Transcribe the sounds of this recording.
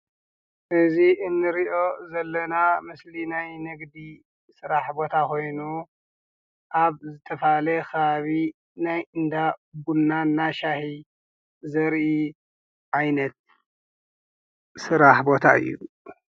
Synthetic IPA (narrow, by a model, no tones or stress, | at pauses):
ʔɨziʔɨnːɨɾiʔo̞zɐlːɐnamɨslinajnɨɡd̪i | sɨɾaħbo̞t̪ʰakʰo̞jnu | ʔaβzɨt̪ʰɐfalɐkɐβaβi | najʔɨnd̪aɡunːanːaʃahi | zɐɾʔi | ʕajnɐt̪̚ | sɨɾaħbo̞t̪ʰaɨ̰jːṵ